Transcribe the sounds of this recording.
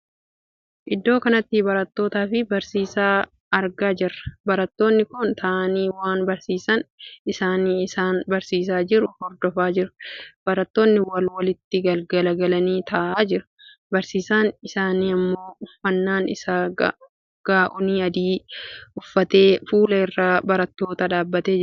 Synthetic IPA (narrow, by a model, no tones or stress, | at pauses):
ʔɪd̪ːo̞ːkɐnɐt̪ːɪbɐɾɐt̪ːo̞ːt̪aːfɪbɐɾsiːsaː | ɐɾɡaːd͡ʒɪrːɐ̥bɐɾɐt̪ːo̞ːnːɪkʊnt̪ʰɐʔɐniːwaːnbɐɾsiːsɐnɪsaːniːɪsaːnbɐɾsiːs̬aːd͡ʒɪɾʊhɔɾd̪ɔfaːd͡ʒɪɾɐ̥b̥ɐɾɐt̪ːo̞ːnːɪwɐlwɐlɪt̪ːɪɡɐlɡɐlɐɡɐlɐniːt̪ʰɐʔaːd͡ʒɪɾɐ̥ | bɐɾsiːsaːnɪsaːniːɐmːo̞ːʊfːɐnːaːnɪsa | ɡ̥aːʔʊniːɐd̪iːʊfːɐt̪e̞ːfuːlɐɪrːaːbɐɾɐt̪ːo̞ːt̪ɐᶑaːbːɐt̪eː